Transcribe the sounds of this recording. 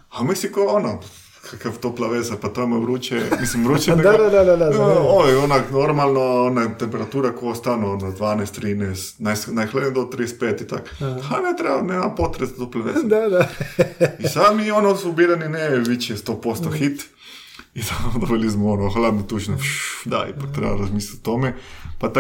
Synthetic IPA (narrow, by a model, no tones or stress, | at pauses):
amisikoono | kʰakaʋt̪oplaʋezapat̪oemoʋɾuːt͡ʃḛmislimʋɾuːt͡ʃɛd̪ad̪ad̪ad̪ad̪aojeonaknoɾmalˠnoonat̪empeɾat̪uːɾakoost̪anoonod̪ʋaːnest̪ɾiːnest̪najsnajxlad̪ned̪ot̪ɾiespeːt̪it̪a̰kanet̪ɾebanemampot̪ɾest̪oplaʋezad̪ad̪a | isad̪mionosubiɾanineʋit͡ʃest̪opo̞st̪oxit̪ | it̪ad̪oʋelismoonoxlad̪not̪uʃnoʃd̪a̰ḭpak̚t̪ɾḛbaɾazmiːslat̪t̪omepat̪a